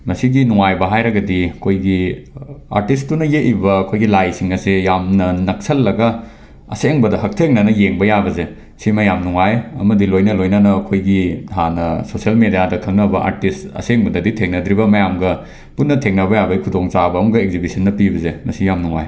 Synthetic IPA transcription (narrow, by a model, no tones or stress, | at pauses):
mɐsiɡinuŋajbɐɦajɾɐɡɐdikʰojɡi | a̰ɾtis̬tːunɐjeʔibɐːkʰojɡilajsiŋɐsejamnɐnɐk̚sɐlːɐɡɐ | ɐ̰seŋbɐdɐɦɐk̚tʰeŋnɐnɐjeŋbɐjabɐze | simɐjamnuŋajɐ̰mɐdilojnɐlojnanɐːkʰojɡitʰanɐsosiɐlmedijadɐkʰɐŋ̚nɐbɐa̰ɾtistɐ̰seŋbɐdɐditʰeŋnɐd̪ɾiβɐmɐjamɡɐ | punːɐtʰeŋnɐbɐjabɐikʰudoŋt͡ʃabɐːmɐɡɐekɡzibisɐnːɐpibɐzemɐsijamnuŋa̰j